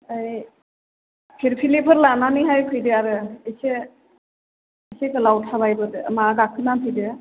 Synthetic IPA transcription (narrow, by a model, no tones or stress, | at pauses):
ɯj | pʰiɾpʰilepʰɯɾlananɯɦajpʰɯjdɯaɾɯese | esekɯlawtʰabajbɯdɯmaɡakʰɯnapʰɯjdɯ